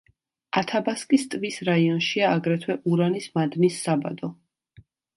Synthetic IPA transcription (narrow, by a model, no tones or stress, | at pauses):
at̪ʰabaskʼist̪ʼvisɾaiɔnʃiaːɡɾɛt̪ʰwɛʔuɾanismad̪nisːaba̰d̪ɔ